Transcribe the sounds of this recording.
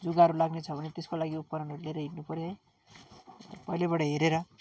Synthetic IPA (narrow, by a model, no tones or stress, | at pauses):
d͡zuɡaʌɾulaɡnet͡sʰʌbʱʌnet̪eskolaɡiup̚kʌɾʌnɦʌɾuleɾʌɦiʈnupʌɾjʌj | pʌilebʌɽʌɦeɾeɾʌ